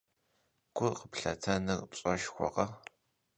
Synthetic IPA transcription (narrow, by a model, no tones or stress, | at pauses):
ɡ̥ʷʰʊqəpɬɐtʰɐnɨrpɕʼɐʃxʷɔ̰qɐ